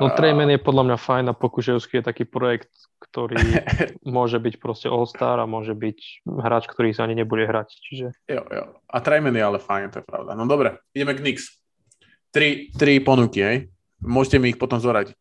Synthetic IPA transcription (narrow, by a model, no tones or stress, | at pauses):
nɔt̪ɾɛjmɛnjɛpɔd̪lamɲafajnapɔkuʃɛʊskijɛt̪akiːpɾɔjɛkt̪ | kt̪ɔɾiːmʊɔʒɛbicpɾɔscɛʔɔlst̪aːɾamʊɔʒɛbicɦɾaːt͡ʃkt̪ɔɾiːsaaɲiɲɛbuɟɛɦɾact͡ʃiʒɛjo̰jɔ̰at̪ɾɛjmɛnjɛalɛfajnt̪ɔjɛpɾa̰ʊd̪a̰nɔd̪ɔbɾɛiɟɛmɛɡniks | t̪ɾit̪ɾipɔnukiɦɛj | mʊɔʒcɛmiːxpɔt̪ɔmzɔɦɾaɟic̚